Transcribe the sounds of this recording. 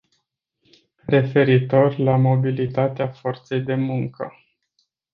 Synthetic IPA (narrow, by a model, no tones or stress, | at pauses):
re̞fe̞ɾit̪o̞rʲlamo̞bilit̪at̪eafo̞rt̪se̞jd̪e̞muŋkə̰